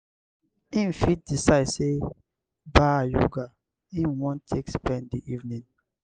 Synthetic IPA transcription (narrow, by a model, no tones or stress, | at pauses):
ĩnfit̚disaɪdse | baajṵɡa | ĩnwɔ̃ntʰekspɛ̃ndiʔivnĩn